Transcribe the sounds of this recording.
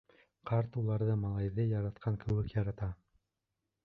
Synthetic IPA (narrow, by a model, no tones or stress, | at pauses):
qɑɾt̪ulˠɑɾðɤmɑlˠɑjðɤjɑɾɑt̪̚qʰɑŋkɘ̆wɘkjɑɾɑt̪ɑ